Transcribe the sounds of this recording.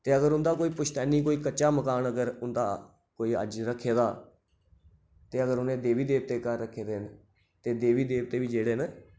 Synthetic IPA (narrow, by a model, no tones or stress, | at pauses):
t̪eːəɡəɾʊnd̪aːkoːiːpʊt͡ʃʰt̪ɛːniːkoːiːkəːt͡ʃːaːməkaːnəɡəɾʊnd̪aː | koːiːə̰d͡ʒɾəkʰːeːd̪aː | t̪eːəɡəɾʊnẽːd̪eːʋiːd̪eːʋ̚t̪eːkaɾːəkʰːeːd̪eːn | t̪eːd̪eːʋiːd̪eːʋt̪eːʋiːd͡ʒeːɽeːn